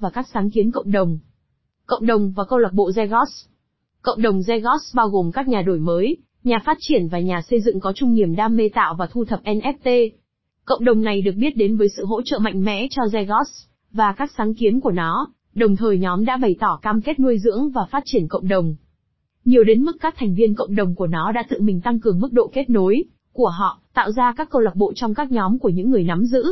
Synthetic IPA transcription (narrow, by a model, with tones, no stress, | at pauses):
vaː˨˩kaː˦˥k̚saː˨˦ŋki˨˦ənkə̰˧˨wŋ͡mɗə˨˩wŋ͡m | kə̰˧˨wŋ͡mɗə˨˩wŋ͡mvaː˨˩kə˧wla˨˩ɓo̰˧˨zɛ˧ɣɔ˦˥ | kə̰˧˨wŋ͡mɗə˨˩wŋ͡mzɛ˧ɣɔ˦˥tsɓaː˧wɣo˨˩mkaː˦˥k̚ɲaː˨˩ɗo˧˩jməː˨˦j | ɲaː˨˩faː˦˥t̚t͡ɕi˧˩ənvaː˨˩ɲaː˨˩sə˧jzɨ̰˧˨ŋkɔ˨˦t͡ɕʊ˧ŋ͡mɲi˨˩əmɗaː˧mːe˧t̪a̰ː˧˨wvaː˨˩t̪ʰu˧t̪ʰə˨˩p̚ʔɛ˧nʔɛ˦˥p̚t̪e˧ | kə̰˧˨wŋ͡mɗə˨˩wŋ͡mna˨˩jɗɨ˨˩ək̚ɓi˦˥ət̚ɗe˨˦nvəː˨˦jsɨ̰˧˨ɦo̰˧˥t͡ɕə̰ː˧˨ma̰˧˨jŋ̟mɛ̰˧˥t͡ɕɔ˧zɛ˧ɣɔ˦˥ts | vaː˨˩kaː˦˥k̚saː˨˦ŋki˨˦ənku˧˩ənɔ˨˦ | ɗə˨˩wŋ͡mt̪ʰəː˨˩jɲɔ˨˦mɗa̰ː˧˥ɓə˨˩jt̪ɔ˧˩kaː˧mke˦˥t̚nu˧əjzɨ̰˧˥əŋvaː˨˩faː˦˥t̚t͡ɕi˧˩ənkə̰˧˨wŋ͡mɗə˨˩wŋ͡m | ɲi˨˩əwɗe˨˦nmɨ˦˥k̚ːaː˦˥k̚t̪ʰɛ˨˩jŋ̟vi˧ənkə̰˧˨wŋ͡mɗə˨˩wŋ͡mku˧˩ənɔ˨˦ɗa̰ː˧˥t̪ɨ̰˧˨mï˨˩ŋ̟t̪a˧ŋkɨ˨˩əŋmɨ˦˥k̚ɗo̰˧˨ke˦˥t̚no˨˦j | ku˧˩əɦɔ̰˧˨t̪a̰ː˧˨wzaː˧kaː˦˥kːə˧wla˨˩ɓo̰˧˨t͡ɕwŋ͡mkaː˦˥k̚ɲɔ˨˦mku˧˩əɲɨ̰˧˥ŋːɨ˨˩əjna˨˦mzɨ̰˧˥